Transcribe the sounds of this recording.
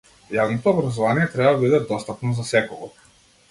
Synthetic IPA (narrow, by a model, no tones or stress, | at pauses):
javnɔt̪ɔːbɾazɔvanijɛt̪ɾɛbabid̪ɛd̪ɔst̪apnɔzasɛkɔɡɔ